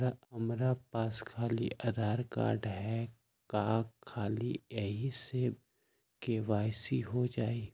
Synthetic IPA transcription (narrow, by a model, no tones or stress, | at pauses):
aɐmɾapaːskʰaːlḭɐd̪ʱaːɾka̰ːɾɖɦɛ | kaːkʰːaːliɛɦise | keʋaːjsiɦod͡ʒaːi